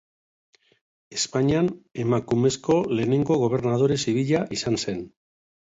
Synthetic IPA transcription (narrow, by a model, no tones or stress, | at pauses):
e̞spaɲiane̞makume̞sko̞le̞ːne̞ŋɡo̞ɣ̞o̞β̞e̞ɾnað̞o̞ɾe̞siβ̞iʎaʔisanse̞n